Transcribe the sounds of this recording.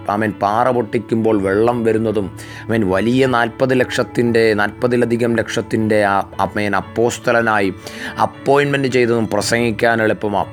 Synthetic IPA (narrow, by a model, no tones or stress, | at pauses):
ɐ̰meːnpaːrɐpoʈːikʲːumbo̞ːɭʋeɭːɐmʋɐɾunːɐðum | ɐmeːnʋɐlijɐnaːlpɐðɨlekʂɐt̪ːinde̞naːlpɐðilɐd̪ʱiɣɐmle̞kʂɐt̪ːinde̞ɐmeːnɐpːo̞ːst̪ʰɐlɐnaːjiɐ̰pːoːjnme̞ndɨt͡ɕe̞jt̪ːɐðumprɐsɐŋɡikʲːaːnɐɭepːɐmɐ̰